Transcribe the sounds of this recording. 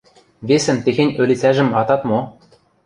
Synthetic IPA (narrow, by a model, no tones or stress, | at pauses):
βesɘ̆nt̪exenʲø̆lʲit͡sæʒɘ̆mɑt̪ɑt̪mo